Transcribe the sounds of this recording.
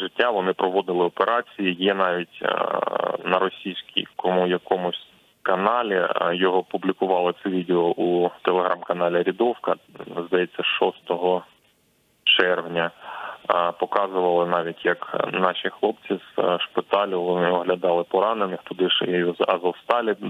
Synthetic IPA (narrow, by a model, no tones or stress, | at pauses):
ʐɪtʲːaʋɔnɪpɾɔʋɔd̪ɪlˠɪɔpeɾʔɑt͡sʲijijɛnɑʋʲitʲ | nɐɾɔsʲijsʲkʲḭjkɔmʊjɐkɔmʊsʲ | kɐnɑlʲijɔɦɔpublʲikʊʋɑlˠɪt̪sɛʋʲid̪eɔʔut̪elˠeɦɾʔɑmkɐnɑlʲiɾʲid̪ɔwkɐzd̪ɐjɛt͡sʲːɐʃɔst̪ɔɦɔ | t͡ʃɛrʋnʲɐ | pɔkɑzʊʋɐlˠɪnɑʋʲitʲjɐknɑʃʲixlˠɔpt͡sʲiz̥ʃpɪt̪ɑlʲʊʋlˠnɪɔɦlʲɐd̪ɑlˠɪpɔɾɑnenɪxt̪ʊd̪ɪʃzɐ̰zɐwst̪ɑlʲɪ